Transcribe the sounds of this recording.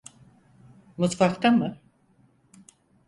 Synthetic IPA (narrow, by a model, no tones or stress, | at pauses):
mut̪fakt̪amɯ